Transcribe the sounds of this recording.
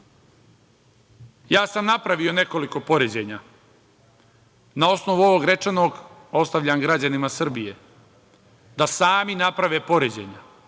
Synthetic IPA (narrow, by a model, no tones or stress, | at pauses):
jaːsamnapɾaʋio̞ne̞ko̞liko̞po̞ɾed͡ʑeɲa | nao̞sno̞ʋuo̞ʋoɡɾe̞t͡ʂeno̞ːɡ | o̞st̪aʋʎaŋɡɾad͡ʑanimasr̩bije | d̪asaːminapɾaʋe̞po̞ɾed͡ʑeɲa